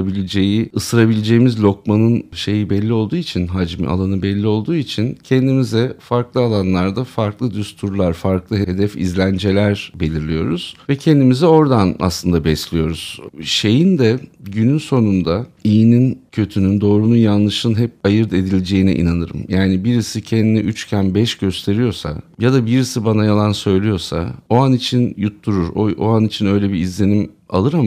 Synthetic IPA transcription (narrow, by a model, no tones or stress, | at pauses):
abilʲed͡ʒe̞jiɯsɯɾabilʲed͡ʒe̞jːmizlʲo̞k̚manɯnʃe̞jibɛlʲːio̞lˠd̪uːit͡ʃʰinɦad͡ʒm̰a̰lˠanɯbɛlʲːio̞lˠd̪uːit͡ʃʰincʰɛnd̪imizɛfaɾklˠɯalˠanlˠaɾd̪afaɾklˠɯd̪yst̪ʰuɾlˠaɾfaɾklˠɯɦeed̪ɛfḭzlʲænd͡ʒe̞lʲæɾbe̞lʲiɾlʲijo̞ɾuz̥vɛcʰɛnd̪imizɛo̞ɾd̪ana̰slˠɯnd̪abɛslʲijo̞ɾuz̥ʃe̞jind̪ɛɟynynso̞nund̪aijːnincʰø̞t̪ʰynynd̪o̞ːɾunujanlːˠɯʃɯnɦɛp̚ajɯɾd̪e̞d̪ilʲd͡ʒe̞jinḭʔḭnanɯɾɯ̰mjaːnibiɾisicʰɛnd̪iniʔyt͡ʃcʰænbɛʃɟø̞st̪ʰe̞ɾijo̞ɾsa̰jad̪abiɾisibanajalˠansø̞jlʲijo̞ɾsa̰oanit͡ʃʰinjut̪ʰːuɾuɾoo̰anit͡ʃʰinø̞jlʲebiːzlʲe̞nima̰lˠɯɾa